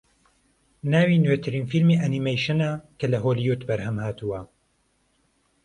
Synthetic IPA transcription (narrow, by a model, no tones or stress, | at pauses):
naːwinwet̪ʰɨɾiːnfilmiʔanimejʃɨnakʰɐlɐɦoːlijut̪bɐɾhɐmhaːt̪ʰuwɐ